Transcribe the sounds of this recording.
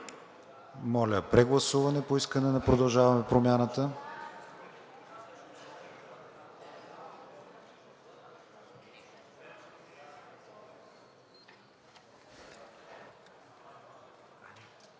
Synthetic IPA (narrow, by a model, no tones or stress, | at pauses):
mɔlʲəpɾɛɡlˠɐsuvɐnɛpoiskənɛnɐpɾod̪ɐlˠʒavɐmɛpɾomʲjanət̪ə